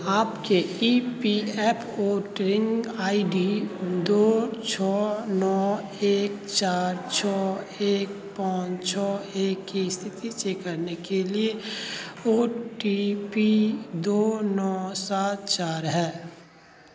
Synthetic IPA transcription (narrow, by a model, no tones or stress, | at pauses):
aːpkeipiɛːpʰoːʈɾɪ̃ŋɡaːiɖid̪oːt͡ʃʰɔːnɔː | eːk̚t͡ʃaːɾt͡ʃʰɔː | eːk̚ | pãːt͡ʃt͡ʃʰɔːeːkːist̪ʰɪt̪it͡ʃeːkːəɾnekelie | oːʈipid̪oːnɔːsaːt̪̚t͡ʃaːɾɦɛː